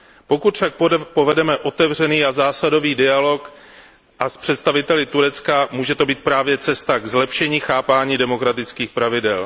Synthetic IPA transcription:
po̞kut̪fʃak̚po̞vɛdɛmɛʔo̞t̪ɛvr̝ɛniːazaːsado̞viːdɪalo̞k | ʔaspr̝̥ɛt̪st̪avɪt̪ɛlɪt̪uɾɛt͡skamuːʒɛt̪o̞biːt̪̚pɾaːvjɛt͡sɛst̪aɡzlɛpʃɛɲiːxaːpaːɲiːdɛmo̞kɾat̪ɪt͡skiːxpɾavɪdɛl

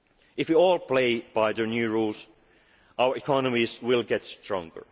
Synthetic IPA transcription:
ɪfwiɔːlˠpʰl̥eɪb̥aɪðə˞njʉɹuːlˠz̥ | ʔaʊə˞ɨkʰɑnəmizwɪlˠɡɛtstʰɹ̥ɔ̰̃ŋɡə̰˞

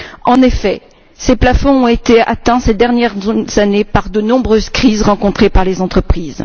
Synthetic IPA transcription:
ɑ̃nefɛ | seplafɔ̃ɔ̃et̪ea̰t̪ɛ̃sɛd̪ɛʁnjɛʁz̥anepaʁd̪ənɔ̃bʁøzkχizʁɑ̃kɔ̃t̪χepaʁlezɑ̃t̪χəpχiːz

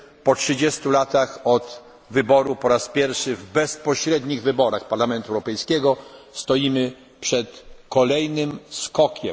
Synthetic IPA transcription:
pɔtʂɘd͡ʑɛst̪ulat̪axɔt̪ | vɘbɔɾupɔɾaspʲjɛɾfʂɘvbɛspɔɕɾɛd̪ɲiɣvɘbɔɾaxpaɾlamɛnt̪uɛwɾɔpɛjskʲɛɡɔst̪ɔjimɘ | pʂɛt̪kɔlɛjnɘmskɔkʲʰɛm

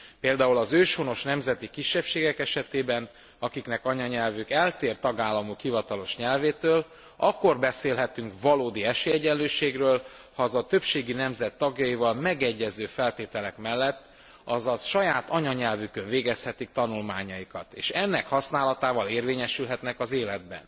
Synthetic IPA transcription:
peːld̪aːulɒzøːʃhono̞ʃnɛmzɛt̪ikiʃːɛpʃeːɡɛkɛʃɛt̪eːbɛn | ɒkiknɛkɒɲɒɲɛlvykɛlt̪eːrt̪ɒɡaːlːɒmukhivɒt̪ɒlo̞ʃɲɛlveːt̪øːl | ɒkːo̞rbɛseːlɦɛt̪yŋkvɒloːd̪iɛʃeːɛɟɛnløːʃeːɡrøːl | hɒzɒt̪øpʃeːɡinɛmzɛt̪ːɒɡjɒjivɒlmɛɡɛɟːɛzøːfɛlt̪eːt̪ɛlɛkmɛlːɛt̪ː | ɒzɒzʃɒjaːt̪ʰɒɲɒɲɛlvykøɱveːɡɛshɛt̪ik̚t̪ɒnulmaːɲɒjikɒt̪ḛːʃɛnːɛkhɒsnaːlɒt̪aːvɒleːrveːɲɛʃylɦɛt̪nɛkɒzeːlɛd̪̚bɛ̰n

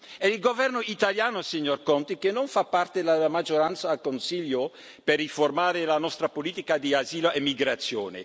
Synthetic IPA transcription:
ɛilɡovɛrnoit̪aljaːnosiɲːorkɔnt̪ikenːoɱfapːart̪elaamad͡ʒoɾant̪saːlkonsiʎːo | perːiformaːɾelanɔst̪ɾapoliːt̪ikad̪iaziːloʔemːiɡɾat̪sːjo̰ːnḛ

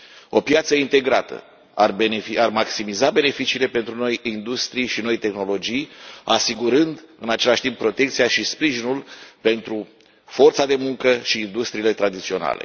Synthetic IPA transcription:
o̞pjat̪səint̪e̞ɡɾat̪ə̰ | arbeeiarmaksimizabe̞ne̞fit͡ʃiːle̞pe̞nt̪ɾuno̞jind̪ust̪ɾijʃino̞jt̪e̞xno̞lo̞d͡ʒijasiɡuɾɨnd̪ɨnat͡ʃe̞laʃʲt̪imppːɾo̞t̪e̞kt̪sijaʃispɾiʒinulpe̞nt̪ɾu | fo̞rt̪sad̪e̞muŋkəʃiːnd̪ust̪ɾiːle̞t̪ɾad̪it̪sio̞na̰le̞̰

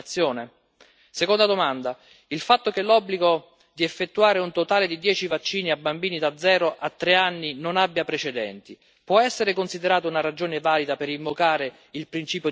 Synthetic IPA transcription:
t̪sːjoːne | sekond̪ad̪omand̪a | ilfat̪ːok̟elːɔbːliɡo | d̪iefːet̪ːuaːɾeunt̪ot̪aːled̪id̪jɛːt͡ʃivat͡ʃːiːniabːambiːnid̪ad̪zːɛːɾoʔat̪ːɾeanːinonabːjapɾet͡ʃed̪ɛ̰nt̪i | pwɔɛsːeɾekonsid̪eɾaːt̪ounaɾad͡ʒoːnevaːlid̪apeɾiɱvokaːɾe | ilpɾint͡ʃiːpjo

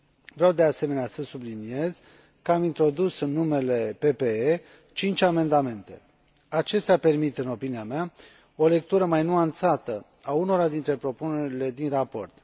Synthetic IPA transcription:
vɾeawd̪e̞ase̞me̞neasəsublinie̞z | kəamint̪ɾo̞d̪usɨnːume̞le̞pe̞pe̞e | t͡ʃint͡ʃʲame̞nd̪ame̞nt̪e̞ | at͡ʃe̞st̪eape̞rmit̪ɨno̞pinijamea | o̞le̞k̚t̪uɾəmajnuant̪sat̪ə | auno̞ɾad̪int̪ɾe̞pɾo̞pune̞ɾile̞d̪inrapo̞̰rt̪

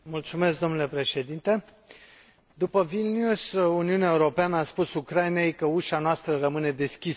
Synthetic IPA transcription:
mult̪sume̞sk̚d̪o̞mnule̞pɾe̞ʃe̞d̪int̪e̞ | d̪upəvilnjusuniuneaeuɾo̞peanəaspusukɾaine̞jkəuʃanoast̪ɾərəmɨne̞d̪e̞skʲis

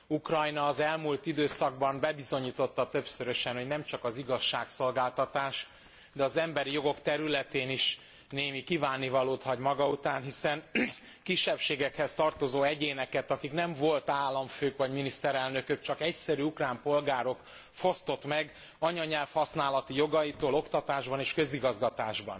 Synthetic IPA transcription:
ukrɒjnɒːzɛlmult̪id̪øːsɒɡ̚bɒmbɛbizo̞ɲiːt̪o̞t̪ːɒt̪øpsøɾøʃɛnho̞ɟnɛmt͡ʃɒkɒziɡɒʃːaːkso̞lɡaːlt̪ɒt̪aːʃ | d̪ɛɒzɛmbɛɾijo̞ɡo̞kt̪ɛɾylɛt̪eːniʃ | neːmikivaːnːivɒloːt̪hɒɟmɒɡɒut̪aːnɦisɛnkiʃːɛpʃeːɡɛkhɛst̪ɒrt̪o̞zoːɛɟeːnɛkɛt̪ɒkiknɛɱvo̞lt̪aːlːɒɱføːkʋɒɟminist̪ɛɾɛlnø̞køk̚t͡ʃɒkɛcsɛɾyukraːmpo̞lɡaːɾo̞k | fo̞st̪o̞t̪mɛɡ | ɒɲɒɲɛlfhɒsnaːlɒt̪ijo̞ɡɒjit̪oːlo̞kt̪ɒt̪aːʒbɒneːʃkø̞ziɡɒzɡɒt̪aːʒbɒ̰n

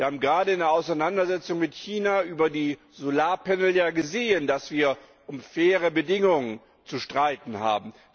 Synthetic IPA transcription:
viɐhaːbm̩ɡʁaːdəɪndeɐʔaʊsaɪnandɐzɛt͡sʊŋmɪtçiːnaʔyːbɐdiː | zolaːɐpɛnl̩jaːɡəzeːəndasv̥iːɐ | ʔʊmfɛːʁəbədɪŋʊŋən | t͡suʃtʁ̥aɪtn̩ha̰ːbm̩

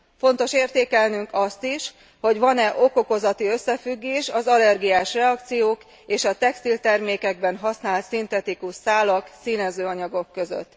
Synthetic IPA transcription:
fo̞nt̪o̞ʃeːrt̪eːkɛlnyŋkɒst̪iʃ | ho̞ɟʋɒnɛʔo̞ko̞ko̞zɒt̪iø̞sːɛfyɡːeːʃɒzɒlɛrɡijaːʃrɛɒk̚t̪sijoːk | eːʃɒt̪ɛkst̪ilt̪ɛrmeːkɛɡ̚bɛnɦɒsnaːlt̪sint̪ɛt̪ikuʃsaːlɒksiːnɛzøːɒɲɒɡo̞kːø̞zø̰t̪ː

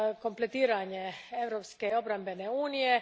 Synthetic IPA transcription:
ko̞mplet̪iːɾaɲeeʋɾopskeo̞bɾambeneuːnije

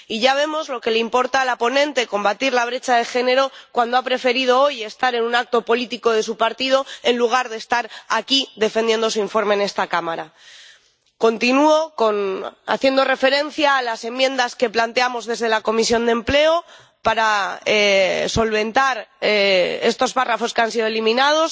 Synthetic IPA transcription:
iʝaβ̞e̞mo̞zlo̞ke̞leimpo̞ɾt̪aːlapo̞nẽ̞nt̪e̞ko̞mbat̪iɾlaβ̞ɾe̞t͡ʃaðe̞xe̞ne̞ɾo̞kwand̪o̞apɾe̞fe̞ɾið̞o̞o̞je̞st̪aɾe̞nũnak̚t̪o̞po̞lit̪iko̞ðe̞supaɾt̪ið̞o̞e̞nluɣ̞aɾðe̞ːst̪aɾakiðe̞fe̞nd̪je̞nd̪o̞s̬uiɱfo̞ɾme̞ːne̞st̪akamaɾa | ko̞nt̪inuo̞ko̞na̰θje̞nd̪o̞re̞fe̞ɾẽ̞n̟θjaːlase̞mjẽ̞nd̪aske̞plant̪e̞amo̞zðe̞zðe̞lako̞misjo̞nd̪e̞mple̞o | paɾaeso̞lβe̞nt̪aɾee̞st̪o̞sparafo̞skeansið̞oelimĩnað̞o̞s

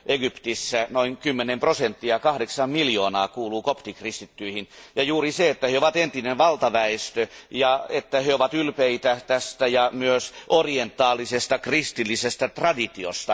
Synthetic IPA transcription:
ʔeɡypt̪isːænoiŋkymːenemprosent̪ːiɑkɑhdeksɑmmiljoːnɑːkuːluːkopt̪ikrist̪it̪ːyihinjɑjuːriseet̪ːæheoʋɑt̪ent̪inenʋɑlt̪ɑʋæest̪øjɑet̪ːæheoʋɑt̪ylpeit̪æt̪æst̪æjɑmyøsʔorient̪ːˑɑːlːˑisest̪ɑkrist̪ilːisest̪æt̪rɑdit̪io̰st̪ɑ

